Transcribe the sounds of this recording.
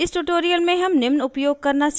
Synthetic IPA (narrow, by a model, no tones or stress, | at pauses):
ɪsʈuʈoːɾijəlmẽɦɐmnɪmnʊpjoːɡ̚kɐɾnat͡ʃ